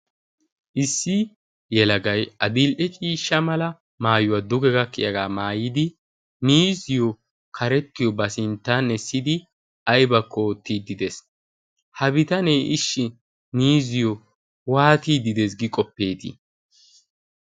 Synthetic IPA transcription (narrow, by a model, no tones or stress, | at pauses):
ʔɪsːɪ | jɛlɐɡɐjɐd̪ɪlʔɛt͡ʃʼiːʃːɐmɐlɐ | maːjʊwad̪ʊɡɛɡɐkːɪjɐɡaːmaːjɪd̪ɪ | niːzɪjɔ | kʰɐɾɛt̪ːɪjɔbɐsɪnt̪ːanɛsːɪd̪ɪ | ɐjbɐkːɔːt̪ːiːd̪ɪd̪ɛs | hɐbɪt̪ɐneʔɪʃːɪ | niːzɪjɔ | waːt̪iːd̪ɪd̪es̬ɡɪkʼɔpːe̞ːt̪ɪ̰